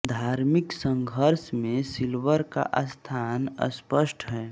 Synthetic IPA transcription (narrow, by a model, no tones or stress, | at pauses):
d̪ʱaːɾmɪksə̃ŋɡʱəɾsmẽsilʋəɾka̰ʔəst̪ʰaːnə̰spəsʈʰɦɛː